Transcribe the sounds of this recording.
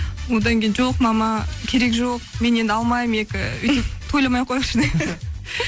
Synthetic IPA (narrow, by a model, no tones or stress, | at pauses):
wod̪ɑŋkʲʰejnʒo̞qmɑmɑkʲʰe̞ɾe̞kʒo̞q̚me̞ne̞nd̪ɪɑlˠmɑjəme̞kʲɪʏj̪ɪpt̪ʰo̞jlˠɑmɑjqʰo̞jʃɪd̪e